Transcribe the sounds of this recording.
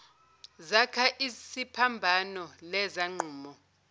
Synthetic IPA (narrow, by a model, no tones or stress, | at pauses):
zakʰaʔisipʰambʱanɔlɛzaŋ͡ǃʱuːmɔ